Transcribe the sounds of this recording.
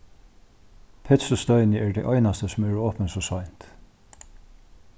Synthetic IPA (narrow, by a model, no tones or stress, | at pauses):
pʰɛt̪səst̪œʏnəɛɹd̪ɛjʔɔjnast̪əsʊmɛɹɔːpənsɔsɔjnt̪